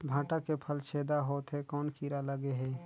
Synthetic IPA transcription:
bʱãːʈakepʰəlt͡ʃʰeːd̪aɦoːt̪ɦɛkɔːnkʰiɾaləɡeɦɛː

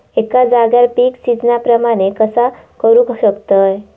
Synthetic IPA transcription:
ekad͡zaɡjalpiːksid͡znapɾəmaɽ̃ekəsakəɾuːkɕəkt̪əj

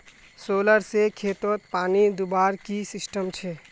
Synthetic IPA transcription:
soləɾsekʰet̪ot̪̚paːnid̪ubaɾkisisʈəmt͡ʃʰɛ

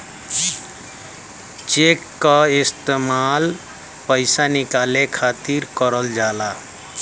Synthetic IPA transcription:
t͡ʃeːkːaɪst̪emaːl | pəɪsanɪkaːlekʰaːt̪iɾkəɾəld͡ʒaːla

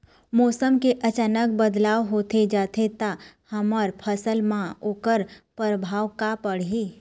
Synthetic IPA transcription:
mɔːsəmkeʔɐt͡ʃaːnək̚bəd̪laːʋɦoːt̪ed͡ʒaːt̪ʰet̪a | hɐməɾpʰəsəlmãoːkəɾpəɾəbʱaːʋkapəɽ̤ɦi

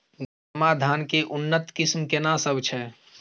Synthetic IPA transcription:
ɡ | əmad̪ʱaːnkeʔunːət̪kɪsmkenasəbt͡ʃʰɛ

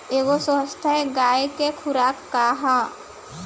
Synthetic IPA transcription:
eːɡosst̪ʰəeɡaːekekʰʊɾaːkːaɦã

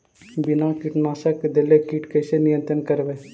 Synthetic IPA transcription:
bɪnaːkɪʈnaːsəkd̪elekiʈkəːsenɪjə̃nt̪ɾənkəɾʋeː

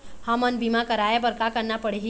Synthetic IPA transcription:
hamənbimakəɾaebəɾkakəɾnapəɽeɦi

